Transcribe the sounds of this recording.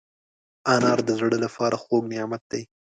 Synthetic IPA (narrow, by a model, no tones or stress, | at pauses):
anɑɾd̪əzɽəlapɑɾʔaxoɡnɪjɑmat̪̚d̪aj